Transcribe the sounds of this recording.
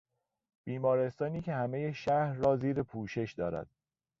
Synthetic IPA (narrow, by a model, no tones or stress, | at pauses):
b̥iːmɒːɾe̞st̪ɒːniːcʰe̞hæmejeʃæhɾːɒːziːɾepʰuːʃe̞ʃd̪ɒːɾæ̰d̪̥̚